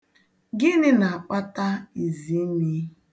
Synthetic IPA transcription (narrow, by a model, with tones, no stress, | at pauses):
ɡɪ˦nɪ˦na˨a˨k͡pa˦ta˦i˨zi˨˦ni˦˨